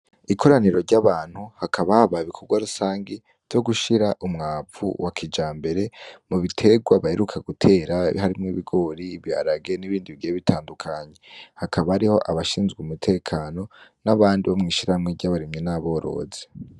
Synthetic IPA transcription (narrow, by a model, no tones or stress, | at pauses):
ikʰo̞ɾaniɾo̞ɾɟaβaːn̥huhakʰaβahaβaiβikʰoɾɡwaɾusaːŋɡi | v̥jo̞ɡuʃiɾaʔumŋaːp͡fṵwʔakʰid͡ʒaːmbe̞ɾe̞muβitʰe̞ɡwaβaheɾukʰaɡutʰe̞ːɾahaɾimŋiβiɡo̞ːɾiβia̰ɾaɡe̞niβiːndiβiɡijeβitʰaːndukʰaɲe̞hakʰaβahaɾiho̞̰ʔaβaʃiːnzɡuumutʰe̞ːkʰaːno̞naβaːndiβomŋiːʃiɾamŋeɟaβaɾimɲenaβo̞ːɾo̞̰ze̥